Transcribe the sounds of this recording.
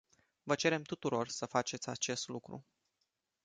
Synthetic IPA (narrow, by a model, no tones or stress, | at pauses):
vət͡ʃe̞ɾe̞mt̪ut̪uɾo̞rsəfat͡ʃe̞t̪sʲat͡ʃe̞st̪lukɾṵ